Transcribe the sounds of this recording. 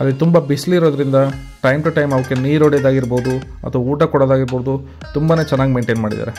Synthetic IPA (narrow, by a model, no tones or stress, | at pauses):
ɐlːit̪umbɐbisliːɾoːd̪ɐɾind̪ɐ | ʈɐjmʈɐʈɐjmɐʋɐkːeniːɾoːɽejd̪aːɡiɾboːd̪u | ɐ̰t̪ʰʋɐuːʈɐkɔɽod̪aːɡiɾboːd̪u | t̪umbaneːt͡ʃɛnːaːɡimeːɳʈeːnmaːɽḭd̪a̰ːɾe